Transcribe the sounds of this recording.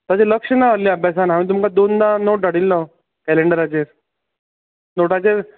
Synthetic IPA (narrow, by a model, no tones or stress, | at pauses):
t̪at͡ɕeləkʂənaəlliəbʱjasanamĩːt̪̬umkad̪ond̪anoʈ̚daɽilːa | kɛleɳɖəɾat͡ɕeɾ | noʈat͡ɕeɾ